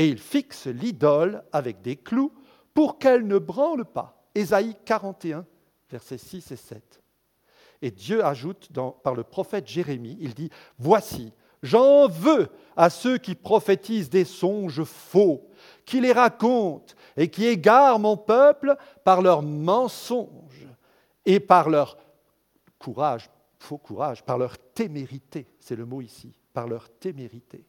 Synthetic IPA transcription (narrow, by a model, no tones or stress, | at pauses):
eilfikslid̪ɔlavɛk̚d̪eklu | puʁkɛlnəbʁɑ̃lpa̰ | ezaikaʁɑ̃t̪eɛ̃ | vɛʁsɛsisesɛ̰t̪ | ed̪jøaʒut̪d̪ɑ̃paʁləpχɔfɛt̪ʒeʁemiːld̪i | vwasi | ʒɑ̃vø | asøkʲipχɔfet̪izd̪esɔ̃ʒfo | kʲileʁakɔ̃t̪ | ekʲieɡaʁmɔ̃pœpl | paʁlœʁmɑ̃sɔ̃ | ʒ | epaʁlœʁ | kʰuʁaʒ | fokʰuʁaʒpaʁlœʁt̪emeʁit̪esɛləmoisḭ | paʁlœʁt̪emeʁit̪e